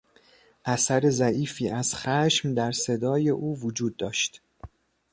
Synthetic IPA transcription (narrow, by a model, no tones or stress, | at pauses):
ʔæsæɾe̞zæʔiːfiːʔæz̥xæʃmd̪æɾse̞d̪ɒːje̞ʔuːvod͡ʒuːd̪̚ːɒːʃt̪